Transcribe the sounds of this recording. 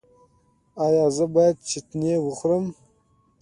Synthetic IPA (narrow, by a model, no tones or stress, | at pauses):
ɑjɑzəbɑjad̪̚t͡ʃɪt̪newəχɾəm